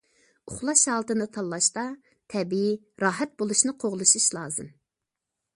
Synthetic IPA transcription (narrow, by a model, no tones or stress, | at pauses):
ʊχlˠɑʃɑːlˠt̪ɨnɨt̪ʰɑlˠːɑʃt̪ɑ | t̪ʰɛbii | ɾɑːɦɛt̪̚bolˠuʃnɨqʰoʁlˠɨʃuʃlˠɑːzɨ̰m